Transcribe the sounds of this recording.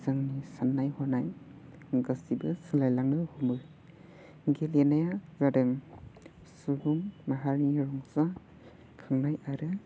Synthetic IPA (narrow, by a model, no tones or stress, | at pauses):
zaŋnisanːajhɔnaj | ɡasibɯsɯlajlaŋnɯhumɯ | ɡelenajazadɯŋ | suɡuŋmaɦaɾniɾɔŋza | kʰɯŋnajaɾɯ